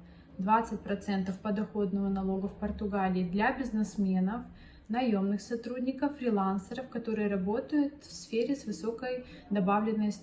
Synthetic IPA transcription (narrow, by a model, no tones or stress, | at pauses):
d̪vat̪sɨt̚ʲpɾɐt̪sɛnt̪əfpəd̪ɐxo̞d̪nəvənɐlˠo̞ɡəfpərt̪ʊɡalʲɪːd̪lʲabʲɪznɨsmʲe̞nəf | nɐjo̞mnɨxsɐt̪ɾudʲnʲɪkəfːɾʲɪlˠansəɾəfkɐt̪o̞ɾɨjəɾɐbo̞t̪əjʊt̪fsfʲeɾʲɪsvɨso̞kəj | d̪ɐbavlʲɪnːəjs